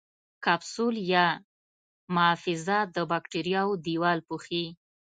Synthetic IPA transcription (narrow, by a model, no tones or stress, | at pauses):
kabsuljɑ | mʊːfɪzad̪əbɑkʈiɾijɑwod̪iwɑlpuxi